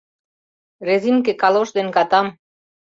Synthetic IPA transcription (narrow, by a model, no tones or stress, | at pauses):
reziŋkekɑloʃd̪enkɑt̪ɑm